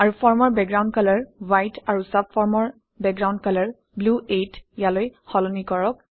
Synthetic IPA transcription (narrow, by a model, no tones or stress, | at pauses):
aɹupɔɹmɔɹbɛkɡɹawndkalaɹwajtaɹusapʰfɔɹmɔɹ | bɛk̚ɡɹaw̃ndkalaɹ | bluʔetjalojhɔlɔnikɔɹɔk̚